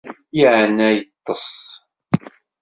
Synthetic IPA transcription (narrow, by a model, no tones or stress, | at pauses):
jiʕənæjət̪ˤːəs